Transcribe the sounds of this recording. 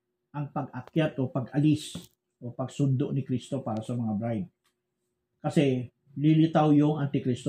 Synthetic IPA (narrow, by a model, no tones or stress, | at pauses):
ʔɐŋpɐɡɐkjat̪ʔopɐɡʔɐlɪs | ʔopɐɡsʊnd̪oʔnɪkɾist̪o̞paːɾɐsɐmɐŋabɾajd̪̚ | kɐsɛ | lɪlɪt̪awjoŋʔant̪ɪkɾist̪o